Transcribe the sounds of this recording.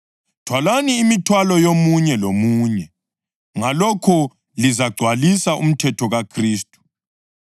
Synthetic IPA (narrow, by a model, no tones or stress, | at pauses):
tʰwalaniːmitʰwalɔjomuɲɛlomuːɲɛ | ŋalɔkʰɔ | lizaɡ͡ǀʱwalisaʔum̩tʰɛtʰɔɣakʰriːstʼu̥